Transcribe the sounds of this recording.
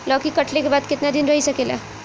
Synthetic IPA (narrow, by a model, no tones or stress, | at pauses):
lɔkikəʈlekebaːd̪kɪt̪nad̪inɾəɦisəkela̰